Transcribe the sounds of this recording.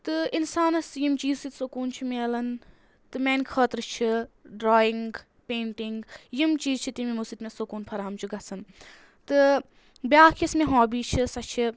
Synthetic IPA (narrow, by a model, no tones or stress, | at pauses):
t̪ɨinsaːnɐsjimt͡ʃiːzsit̪sokuːnt͡ʃʰimeːlɐn | t̪ɨmeːnkʰəːt̪ɾɨt͡ʃʰiɖɾɔːiŋɡɡ | peːɳʈiŋɡjimt͡ʃiːzt͡ʃʰit̪imimusit̪mẽsokuːnpʰɐɾaːmt͡ʃʰiɡɐt͡sʰɐn | t̪ɨ | bjaːkʰismẽɦoːbiːt͡ʃʰisɐt͡ʃʰi